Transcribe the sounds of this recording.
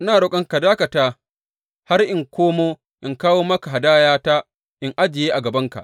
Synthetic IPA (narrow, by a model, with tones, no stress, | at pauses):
naː˨ɽʊ˦˨kʼɐ˦ŋka˨daː˦kɐ˨taː˦ | ha˦rʔɪ˨ŋkʷoː˦moː˦ | ʔɪ˨ŋkaː˦woː˦mɐ˦ka˨ɦa˨daː˦jaː˦ta˦ | ʔɪ˦ŋʔa˦d͡ʒɪ˨jeː˦ʔa˨ɡɐ˨bɐ˦ŋka̰˨ʔ